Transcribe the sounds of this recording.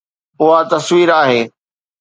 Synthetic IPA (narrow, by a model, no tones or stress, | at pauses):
ʊɦat̪ɐsʋiːɾaːɦeː